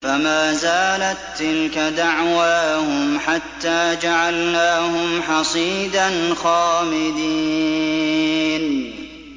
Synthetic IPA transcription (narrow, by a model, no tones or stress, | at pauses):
famaːzaːlat̪ːɪlkad̪aʕwaːhʊmħat̪ːaːd͡ʒaʕalnaːhʊmħɑsˤiːd̪anxaːmɪd̪iː | n